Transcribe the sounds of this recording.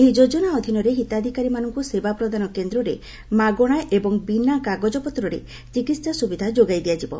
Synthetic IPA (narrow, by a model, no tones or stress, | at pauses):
eɦid͡ʒod͡ʒɔnaɔd̪ʱinɔɾeɦit̪ad̪ʱikaɾimanɔŋkusebapɾɔd̪ʱanɔkend̪ɾɔɾe | maɡɔɽ̃aʔebɔŋbinakaɡɔd͡ʒɔpɔt̪ɾɔɾe | t͡ʃikit̪sasubid̪ʱad͡ʒoɡajd̪iad͡ʒibɔ̰